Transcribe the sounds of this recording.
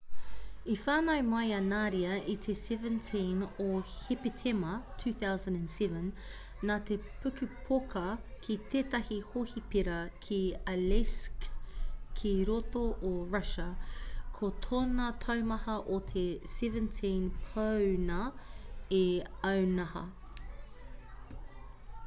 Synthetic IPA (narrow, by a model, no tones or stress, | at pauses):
ifaːnɐjmɐjɐnaːɾiɐit̪ʰesɛvə̃ntʰĩnohipetʰemɐtʰʉːθawzɐ̃ndɐ̃nsɛvə̃nː | at̪epʰʉkʉpʰokʰɐkʰit̪ʰeːt̪ɐhihohipiɾɐkʰiɐleskʰː | iɾotoʔoɹɐʃɐkʰot̪ʰoːnɐt̪ʰɐwmɐhɐʔot̪ʰesɛvə̃ntʰĩnpʰɐwnɐ | eɐwnɐhɐ̰